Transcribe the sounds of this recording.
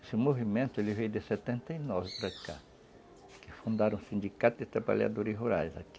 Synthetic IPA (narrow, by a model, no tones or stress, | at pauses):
esɪmovimẽnt̪ʊelɪvejd̪ɪsɛt̪ẽnt̪ɐinɔvɪpɾaka̰ | kɪfũnd̪aɾɐ̃w̃sĩnd̪ikat̪ʊd̪ɪt̪ɾapa̰ʎa̰d̪oɾɪsɦuɾajzaki̥